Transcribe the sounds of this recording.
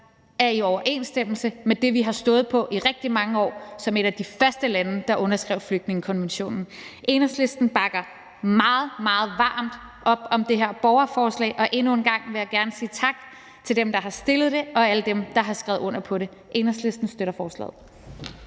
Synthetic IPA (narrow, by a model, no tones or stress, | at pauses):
æɐiɒʊɐʔe̝̰nsd̥em̰l̩səmed̥e̝ʋiɦɑ̈sd̥ɔ̽ːð̩ˠpʰɒ̽ʔiʁɛɡ̥̚d̥imɑ̈ŋəɒ̰ːsɒ̽me̝ɾ̥æd̥ifɶɐsd̥əlænəd̥ɑ̈ʔɔ̽nɐsɡ̥ʁɛʊ̰fløɡ̥̚dne̝ŋəkʰɒ̽nʋenɕo̝̰ːnn̩ʔe̝nɐsle̝sd̥n̩b̥ɑ̈ɡ̥ɐ | mɑ̈ːð̩ˠmɑ̈ːð̞̩ˠʋɑ̰̈ːmd̥ | ʔɒ̽b̥ɒ̽md̥e̝ɦeɐ̰b̥ɒʊɐfɒːslɛ̰ːʔɒ̽ʔe̝nue̝nɡ̥ɑ̈ŋ̰ʋe̝jɑ̈ɡ̥æɐnəsiːt͡sʰɑ̈ɡ̥ | t͡sʰe̝ld̥emd̥ɑ̈ɦɑ̈sd̥e̝lð̩ˠd̥e̝ɒ̽æləd̥emd̥ɑ̈ɦɑ̈sɡ̥ʁɛ̰ʊð̩ˠɔ̽n̰ɐpʰɒ̽ɾe̝ | ʔe̝nɐsle̝sd̥n̩sd̥øɾɐfɒːslɛ̰ːð̩ˠ